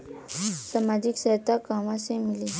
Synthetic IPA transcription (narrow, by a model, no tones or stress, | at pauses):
samad͡ʑiksaɦt̪akamasẽmili